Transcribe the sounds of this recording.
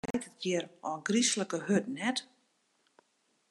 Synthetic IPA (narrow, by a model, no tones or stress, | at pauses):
tət̚jɪəɾɔɡrisləkəhøtən̩ɛt